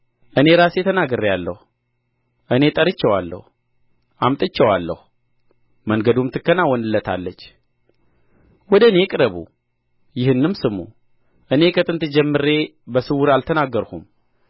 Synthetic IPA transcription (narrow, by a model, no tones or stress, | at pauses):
ʔɨne̞ɾasjɛt̪ʰənaɡɨɾjalːə̰hu | ʔɨne̞t̪ʼəɾɨt͡ʃːɛwalːə̰hu | ʔamt̪ʼɨt͡ʃːɛwalːə̰hu | məŋɡəd̪umt̪ʰɨkːənawɔnɨlːət̪ʰa̰lːət͡ʃː | wɔd̪əne̞kʼɨɾəβṵ | jɪhɨnːɨmsɨmṵ | ʔɨne̞kʰət̪ʼɨnt̪ɨd͡ʒɛmːɨɾe̞bəsɨwʊɾalt̪ʰənaɡːəɾhum